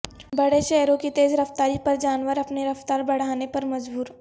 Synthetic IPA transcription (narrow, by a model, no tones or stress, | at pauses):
bɐɽeʃɛːɾõkit̪eːzɾɐft̪aːɾipɐɾd͡ʒaːnʋəɾɐpneɾɐft̪aːɾbɐɽ̤aːnepɐɾmɐd͡ʒbuːɾ